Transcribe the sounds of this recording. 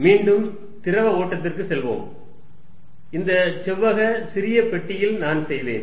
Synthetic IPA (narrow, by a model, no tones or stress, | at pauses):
miːɳɖɯm | t̪ɪɾɐʋɐoːʈːɐt̪̬ːɪrkɯsɛlʋo̰ːm | ɪnd̪ɐt͡ʃɛʋːɐɣɐsɪɾɪjɐpɛʈːɪjɪlnaːnsɛjʋḛːn